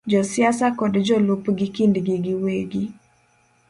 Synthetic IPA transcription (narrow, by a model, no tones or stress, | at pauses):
d͡ʒɔsɪasakɔdd͡ʒɔlupɡɪkindɡiɡiweɡi